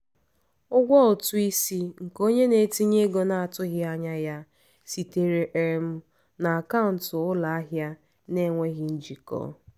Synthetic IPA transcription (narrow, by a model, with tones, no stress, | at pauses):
ʊ˦ɡʷɔ˦ʊ˨tʊ˦i˦si˦ŋ̩˨ko˦ɲe˦ne˨ti˦ɲe˦ɡo˨na˨a˨tʊ˦ɣɪ˦a˦ɲa˦ja˦ | si˨te˨ɾe˨ʔe˨ɾm̩˦ | na˨a˨ka˦ʊ˨n̩˨tʊ˨ʊ˦la˨a˦ɦja˦ | ne˦˨ŋʷe˦ɣɪ˦n̩˦d͡ʒi˨kɔ̰ː˦˨